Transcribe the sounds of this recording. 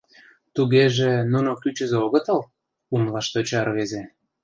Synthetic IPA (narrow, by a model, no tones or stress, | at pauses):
t̪uɣeʒenunokyt͡ɕə̆zeoɣə̆t̪əl | unlɑʃt̪ot͡ɕɑrβeze